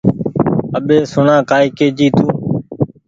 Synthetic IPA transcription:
əɓeːsʊɳãːkaːiːkeːd͡ʒiːt̪oː

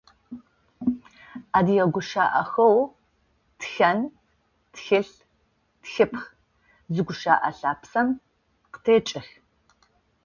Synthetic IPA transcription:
aːdjɛɡʷʊʃa̰ːʔɐxɐw | txɐn | txɨɬ | txɨpʰx | zɨɡʷʊʃa̰ːʔɐɬaːpsɐm | qə̥tʰeːt͡ʃʼɪx

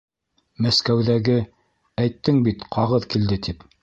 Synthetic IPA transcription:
mæskæwðæɡɘ | æjt̪ːɘŋbit̪qʰɑʁɤðkild̪ɘt̪ʰip

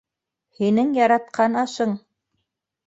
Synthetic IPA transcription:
hinɘŋjɑɾɑt̪̚qɑnɑʃɤɴ

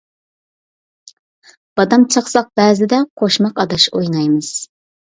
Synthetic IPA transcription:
b̥ɑd̪ɑmt͡ʃʰɑχsɑq̚b̥ɛːzɪd̪ɛqʰoʃmɑqɑd̪ɑʃojnɑjmɨz̥

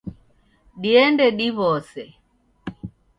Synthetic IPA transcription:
ɗiɛndɛɗiβɔsɛ

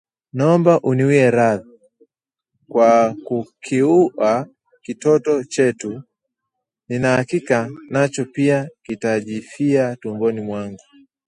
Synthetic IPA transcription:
naɔmbaʔuniwiɛɾaði | kwakukʰiua | kitɔtɔt͡ʃɛtu | ninahakikanat͡ʃɔpiakitaʄifiatumbɔnimwaŋɡu

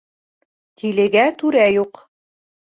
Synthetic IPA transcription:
t̪ʰilɘ̆ɡæt̪ʉɾæjuq

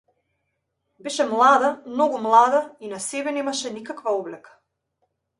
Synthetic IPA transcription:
bɛʃɛmlˠad̪amnɔɡumlˠad̪ainasɛbɛnɛmaʃɛnikakvaɔblɛkḁ

